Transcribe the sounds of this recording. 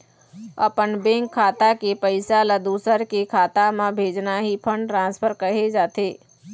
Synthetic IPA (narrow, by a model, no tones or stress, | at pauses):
ə̰pənbẽːŋkʰːaːt̪akepəɪsaləd̪uːsəɾkekʰaːt̪amãbʱeːd͡ʒnaɦipʰəɳɖʈɾãːnspʰəɾkəɦed͡ʒaːt̪eː